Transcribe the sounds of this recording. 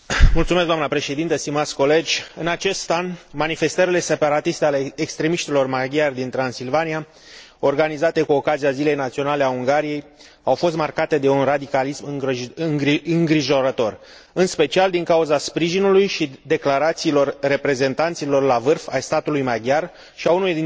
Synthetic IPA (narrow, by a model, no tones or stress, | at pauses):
mult̪sumesɡd̪oamnəpɾe̞ʃe̞d̪int̪əst̪imat̪sʲko̞le̞d͡ʒʲɨnat͡ʃe̞st̪anmanife̞st̪əɾile̞se̞paɾat̪ist̪e̞aleːkst̪ɾe̞miʃt̪ilo̞rmaɡjard̪int̪ɾansilvania | o̞rɡanizat̪e̞kuo̞kaziazile̞jnat̪sio̞nale̞auŋɡaɾije̞j | awfo̞st̪markat̪e̞d̪e̞unrad̪ikalismɨɨŋɨŋɡɾiʒo̞ɾət̪o̞r | ɨnspe̞t͡ʃiald̪iŋkauzaspɾiʒinulujʃid̪e̞klaɾat̪siːlo̞rːe̞pɾe̞ze̞nt̪ant̪silo̞rlavɨrfa̰jst̪at̪ulujmaɡjar | ʃiaunuujd̪i